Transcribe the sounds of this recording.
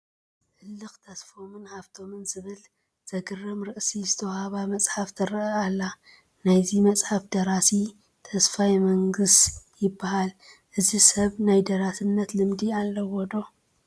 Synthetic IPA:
ħɨlːɨxt̪ʰɐsfo̞mɨnhaβt̪ʰo̞mɨnzɨβɨl | z̥ɐɡɨrɐmɾɨʔsizɨt̪ʰɐwhaβamɐt͡sʼħaft̪ʰɨɾɐalːa | najzimɐt͡sʼħafd̪ɐɾasi | t̪ʰɐsfajmɐŋɡɨst̪jɪbːahal | ʔɨzisɐβnajd̪ɐɾasɨnːɐt̪lɨmd̪ialːɐwɔd̪o̞

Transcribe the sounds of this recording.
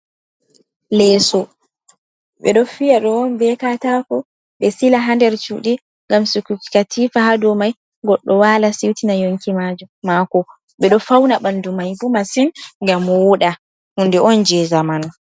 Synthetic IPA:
lɛsɔ | ɓɛ̰ɗɔfijaɗɔnbɛkatakɔ | ɓɛsilaɦandɛɾt͡ʃuɗi | ŋɡamsukuki̥katʰifaɦadɔmaj | ɡɔɗːɔwalasiwtinajoŋkimad͡ʒɔmakɔ | ɓɛɗɔfawnaɓandumajbumasinŋɡamːɔwuɗa | hundɛʔɔnd͡ʒɛzamanɔ

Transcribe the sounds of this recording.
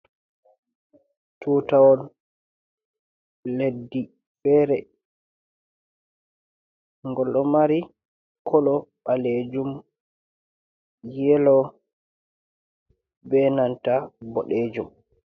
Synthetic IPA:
tʰuːtawɔl | ledːi | fɛɾɛ | ŋɡɔlːɔmaɾi | kʰɔlɔɓaled͡ʒum | jɛlɔ | bɛnantabɔɗed͡ʒum

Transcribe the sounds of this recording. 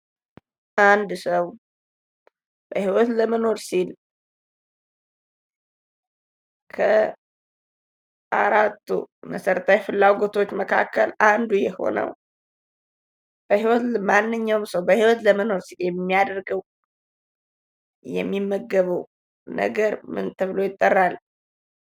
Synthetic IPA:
ʔand̪səw | b̥əhiwɔt̪ləməno̞ɾsil | kʰə | ʔaɾat̪ːṵməsəɾət̪ʰajfɨlːaɡo̞t̪ʰo̞t͡ʃːməkʰa̰kːəland̪ujɛho̞̰nə̰w | b̥əhiwɔt̪manːɨɲːawmsəwbəhiwɔt̪ləməno̞ɾsiljɛmːijad̪əɾɡəw | jɛ̰mːimːəɡːəβəw | nə̰ɡəɾmɨ̰nt̪ʰəβlo̞jɪt̪ʼːərːal

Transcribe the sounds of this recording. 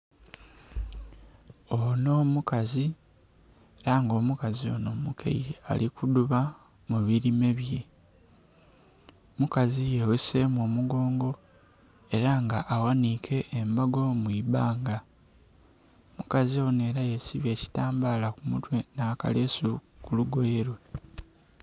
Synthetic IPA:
ono̞ːmukazi | eɾaŋɡo̞ːmukazio̞̰no̞ːmukʰḛjia̰likuduβa | muβiɾime̞βje̞ | mukazijeweseːmwo̞ːmuɡo̞ːŋɡo̞ | e̞ɾaŋɡaʔːwanikʰe̞ʔːmbaɡo̞mwibaːŋɡa | mukazio̞ne̞ːɾajesiβje̞ːci̥taːmbaːlakumutwe̞naːka̰lesukuluɡo̞jeɾwe

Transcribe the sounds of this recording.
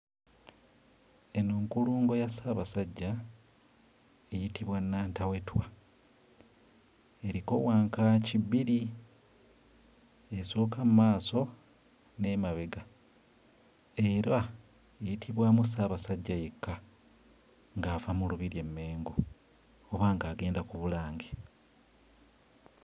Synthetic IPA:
e̞nuːŋkuluːŋɡo̞jasaːβasaɟːa | ejitiβwanːaːntawe̞twa | e̞ɾiko̞waːŋkaciβiɾi | e̞so̞ːkamumaːso̞ | ne̞maβeɡa | e̞ːɾa | ejitʰiβwaːmus̬aːβasaɟːajekːa | ŋɡaːvamuluβiɾje̞mːe̞ːŋɡo | oβaːŋɡaːɡe̞ːndakuβulaːŋɡe

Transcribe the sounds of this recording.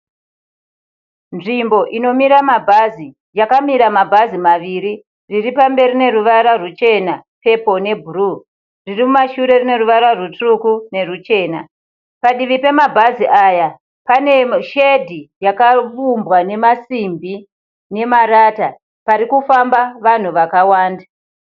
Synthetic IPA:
nʐimbo̞ʔino̞miɾamabʱazi | jakamiɾamabʱazimaʋiɾi | riripambe̞ɾine̞ruʋaɾarut͡ʃe̞nape̞po̞ne̞bʱuru | ririmumaʃuɾe̞rine̞ruʋaɾarutukune̞rut͡ʃe̞ːna | paɗiʋipe̞mabʱaziʔaja | pane̞ʃedʱijakafumbwane̞masimbi | ne̞maɾaːta | paɾikufambaʋan̤uʋakawaːnda

